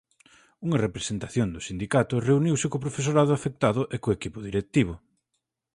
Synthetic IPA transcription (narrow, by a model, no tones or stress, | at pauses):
uŋɐrepɾesent̪aθjond̪ʊsind̪ikat̪ʊreuniwsɪkopɾofes̬oɾaðʊafek̚t̪aðʊʔekoekipʊðiɾek̚t̪iβ̞ʊ